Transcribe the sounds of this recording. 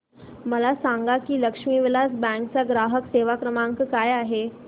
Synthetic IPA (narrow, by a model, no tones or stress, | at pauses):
məlasaŋɡakiːləkʂmiːʋelasbɛ̃ŋk̚t͡saɡɾaɦəkseʋakɾəmãŋkkajaɦe